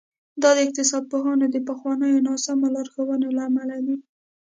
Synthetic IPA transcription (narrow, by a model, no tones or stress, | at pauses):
d̪ɑd̪əɪq̚t̪ɪsɑd̪̚poɦɑnod̪əpəxwɑnəjonɑsamolɑɾxowənelaːmalad̪i